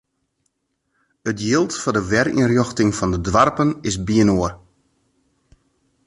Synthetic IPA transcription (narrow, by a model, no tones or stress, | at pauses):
ətjɪlˠtfɔdəʋɛɾḭnrjɔxtɪŋfɔndədʋarpənɪsbiənoər